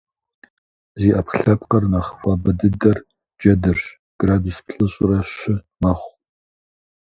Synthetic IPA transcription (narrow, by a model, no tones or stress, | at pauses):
ziːʔɐpχɬɐp̚qɐrnaːχəfʷʼɑːbɐdɨdɐr | d͡ʒɐdɨrɕ | ɡ̥raːduspʰɬʼɨɕʼɪrɐɕɪ | mɐχʷ